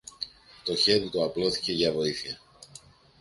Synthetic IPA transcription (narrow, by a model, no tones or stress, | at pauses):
t̪o̞çe̞ðit̪oɐplo̞θi̥ce̞ʝɐvo̞iθiɐ